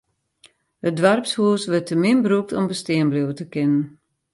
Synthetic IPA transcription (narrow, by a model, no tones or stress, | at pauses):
hət̚dʋarpshuəsʋətəmɪnbəɾuk̚tɔmbəstɪənblewtəkɪnən